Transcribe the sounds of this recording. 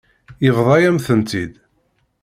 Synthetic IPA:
jəvðˤɑjæmθənt̪id̪

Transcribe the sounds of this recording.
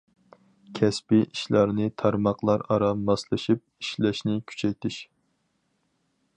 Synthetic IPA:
kʲʰɛspɪʔiʃlɑɾnɨt̪ʰɑɾmɑqlˠɑɾɑɾɑmɑslˠɨʃip̚iʃlɛʃnɪkʲʰy̥t͡ʃʰɛk̚ʲt̪ʰɪʃ

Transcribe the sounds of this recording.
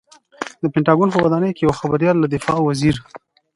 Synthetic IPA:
d̪əpɪɳʈɑɡonp̬əwad̪ɑnəjkejawxabaɾjɑlːad̪ɪfɑwaziɾ

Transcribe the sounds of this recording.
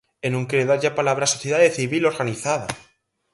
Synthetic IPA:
enũŋkeeðaʝapalaβɾasoθjeðaðeθiβilo̞ɾɣaniθað̞a

